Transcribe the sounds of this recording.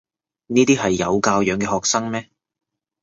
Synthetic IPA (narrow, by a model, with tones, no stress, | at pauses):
niː˥t̪iː˥ɦɐ˨jːɐ˨˧wkaː˧wjœː˨˧˥ŋkɛː˧hɔː˨k̚sɐ˥ŋmɛː˥